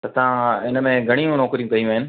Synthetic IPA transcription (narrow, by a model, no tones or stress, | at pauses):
t̪ɐt̪ɐãɪnəmẽɡʱɐɽ̃ijũnɔːkɾijũkɐijũaːɦɪnɪ̆